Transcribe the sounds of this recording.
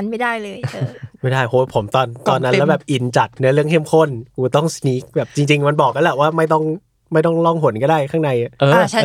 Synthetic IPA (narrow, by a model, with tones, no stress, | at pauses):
nma˥˩daː˥˩jlɤː˧jma˥˩jdaː˥˩jʔoː˨˧˦pʰo˩˦mt̪ɔː˧nt̪ɔː˧nːa˦˥lɛ˦˥wbɛː˨˩p̚ʔi˨˩nt͡ɕa˨˩t̪̚nɯ˦˥ɐlɯ˥˩əŋkʰe˥˩˨mkʰo˥˩nkuː˧˩t̪ɔ˥˩ŋsniː˦˥k̚bɛː˨˩p̚t͡ɕi˧ŋt͡ɕi˧ŋma˧nbɔː˨˩k̚ːa˧˥lɛ˨˧˩waː˥˩ma˥˩jt̪ɔ˥˩ŋ | ma˥˩t̪ɔ˥˩ŋlɔ˥˩ŋɦo˨˩˦nkɔ˥˩daː˥˩jkʰaː˥˩na˧jʔa˨˩ʔɤː˧˩˥